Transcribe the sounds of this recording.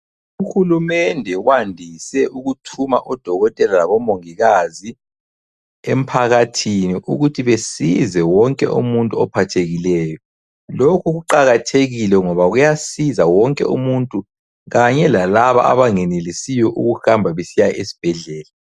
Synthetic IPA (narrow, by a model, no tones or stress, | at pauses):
uxulumɛndʱɛwandʱisɛʔuɣutʰumaʔɔd̥ʱɔɣɔtʼɛlalaβɔmoŋiɣazi | em̩pʰaɣatʰiniʔṵɣutʰiβesizɛwɔŋkʼɛ̰ʔṵmuntʼuɔpʰatʰeɣilɛːjɔ | lokʰuɣuǃaɣatʰeɣilɛŋɔβaɣujasizawɔŋkʼɛ̰ṵmuntʼu | ɣaɲɛlalaβa̰ʔa̰βaŋɛnelisijɔʔṵɣuhambʱaβesijaʔesi̥b̥ʱɛɮɛːla